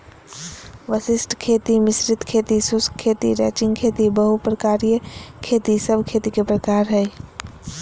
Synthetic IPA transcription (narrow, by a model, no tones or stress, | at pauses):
ʋəsɪsʈʰkʰeːt̪imɪsɾɪt̪kʰeːt̪isʊskʰːeːt̪iɾɛ̰ːt͡ʃɪ̃ŋɡkʰeːt̪ibəɦupɾəkaːɾijəkʰeːt̪isəbʱkʰeːt̪ikepɾəkaːɾɦɛi